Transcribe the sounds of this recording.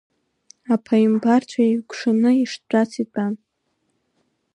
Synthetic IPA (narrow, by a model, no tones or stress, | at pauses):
apʰaimbart͡ɕʷʰaeɥkʷʰʂanɨiʂtt͡pʼat͡sʰitʼan